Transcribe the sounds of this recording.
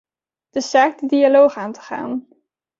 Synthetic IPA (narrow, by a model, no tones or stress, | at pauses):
d̥əsaːk̚dədialowχaːntə̥χa̰ːn